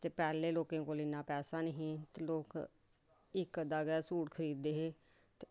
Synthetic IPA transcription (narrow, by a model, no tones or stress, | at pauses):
t̪eːpɛːleːloːkẽːkoːlɪnãːpɛːsaːnəɦĩːt̪eloːk | ɪkd̪aːɡɛːsuːʈkʰəɾiːd̪eːɦeː | t̪e